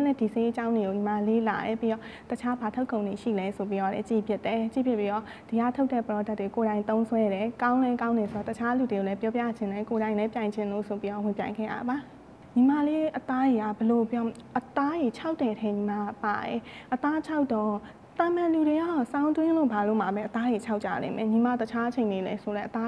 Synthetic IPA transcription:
lɛ˦di˨se˦t͡ɕã˦ʊ̃nde˨ɡo˨ɲĩ˨ma˨le˦la̰˨jɛ˨pi˦ɾɔ˦˨tət͡ɕʰa˦ba˨tʰo˦ʊkʰːõ˨ʊ̃ne˨ʃḭ˦˨lɛ˦so˨p̬i˦ɾɔ˦˨lɛ̰˦t͡ɕḭ˦˨pʰjɪ˦tːɛ˨t͡ɕḭ˦˨pʰjɪ˦pːi˦ɾɔ˦˨ | d̥ə˨ja˦˨tʰo˦ʊtːɛ˦˨pəɾɔ˦da˦tːwe˨ko˨ɾã˨ɪnt̪õ˦ʊ̃nsʰwɛ˦ɾɛ˨kã˦ʊ̃lɛ˦kã˦ʊ̃ndɛ˨so˨ɾɔ˦˨tət͡ɕʰa˦lu˨de˨ɡo˨ɛ˦pjɔ˦pja̰˦˨d͡ʑɪ̃˨nlɛ˦ko˨ɾã˨ɪ̃nlɛ˦pjã˨ɪ̃ɲd͡ʑɪ̃˨nlo̰˦˨sʰo˨pi˦ɔ˦˨wɪ̃˨mpjã˨ɪ̃ŋɡɛ̰˦˨ja̰˦˨ba˨ | ɲi˨ma˦˨le˦ʔət̪a˦je˨ɡa˦˨bəlo˨pjɔ˦ʔət̪a˦je˨t͡ɕʰa˦ʊtːɛ˨tʰɛ˦ɲi˨ma˦a˦˨pa˨jɛ˨ʔət̪a˦t͡ɕʰa˦ʊtɔ˨ | t̪ã˨mã˨ʔlu˨de˨ɡa˦˨sã˦ʊ̃nt̪wɪ̃˦lo̰˦˨ba˨lo̰˦˨m̥a˨bɛ˦ʔət̪a˦je˨t͡ɕʰa˦ʊʔt͡ɕa̰˦˨lḛ˦˨mɛ̃˨ɲi˨ma˦˨tət͡ɕʰa˦ʔət͡ɕʰẽ˨ne˨lɛ˦sʰo˨lɛ˦ʔət̪a˦

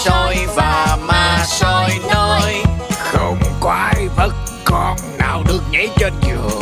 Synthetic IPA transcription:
so˧jvaː˨˩maː˧so˧jno˧jxə˧wŋ͡mkɔ˧a˧jvə˦˥t̚ | kɔ˨˩nːaː˨˩wɗɨ˨˩ək̚ɲə˧˨˦jt͡ɕɔ˧nzɨ˨˩ə

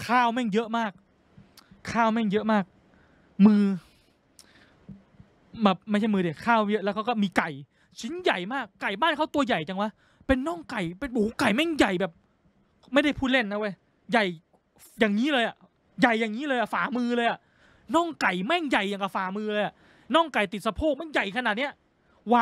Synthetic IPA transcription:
kʰaː˥˩wmɛ˥˩ŋjɤ˦˥ʔmaː˥˩k̚ʰː | aː˥˩wmɛ˥˩ŋjɤ˦˥ʔmaː˥˩k̚ | mɯː˧ | bɛː˨˩p̚ma˥˩t͡ɕʰa˥˩jmɯː˧i˨˩kʰaː˥˩wjɤ˦˥lːwkʰa˦˥wkɔ˥˩miː˧ka˨˩j | t͡ɕʰi˨˦˥nja˨˩jmaː˥˩kːa˨˩jbaː˥˩nkʰa˦˥˩wt̪u˧ɐja˨˩jt͡ɕa˧ŋwa˦˥ | pe˧nːɔː˥˩ŋka˨˩jpe˧nʔoː˨˩˦ka˨˩jmɛ˥˩ŋja˨˩jbɛː˨˩p̚ | ma˥˩jda˥˩jpʰuː˥˩le˥˩nːa˦˧˩wa˧˩j | ja˨˩j | jaː˨˩ŋːiː˦˥lɤː˧jʔa˨˩ | ja˨˩jːaː˨˩ŋːiː˦˥lɤː˧jʔa˨˩faː˨˩˦mɯː˧lɤː˧jʔa˨˩ | nɔː˥˩ŋka˨˩jmɛ˥˩ŋja˨˩jaː˨˩ŋka˧˩faː˨˩˦mɯː˧lɤː˧jʔa˨˩ | nɔ˥˩ŋka˨˩jt̪i˨˩t̪̚sa˧pʰoː˥˩k̚ma˥˩nja˨˩jkʰa˧naː˨˩t̪̚ni˦˥ɐ | waː˧

